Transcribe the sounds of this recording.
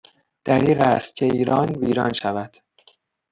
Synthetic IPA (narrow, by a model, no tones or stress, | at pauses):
d̪̥æɾiːɣæst̪̚cʰe̞iːɾɒːnviːɾɒːnʃævæd̪̥